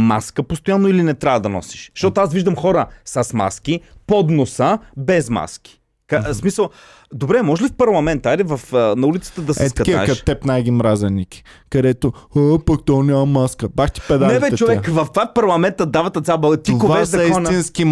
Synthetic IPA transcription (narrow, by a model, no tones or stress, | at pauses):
ma̰skəpost̪ojanːoilinɛt̪ɾʲavəd̪ɐnɔ̰si̥ʃʃt̪ɔt̪oasviʒd̪əmxɔɾəsɐsma̰sk̟ipɔd̪nosəbɛzma̰sk̟i̥ | kasmisəlˠ | d̪obɾɛmɔʒlifpɐɾlˠɐmɛnt̪alivɐfnɐulit̪sə̥t̪əd̪ɐsɛst̪kɐtkʲiakɐt̪ɛpnajɡʲimɾazɛnikʲi̥ | kɐd̪ɛt̪oapɐk̚t̪ɔnʲamɐmaskəbaxt̪i̥pɛd̪anɛɛbɛɛt͡ʃovɛkvɐft̪vapɐɾlˠɐmɛnt̪əd̪avɐt̪ɐt̪sʲaboɡt̪iokovaɛʃɐɐkisnʲinski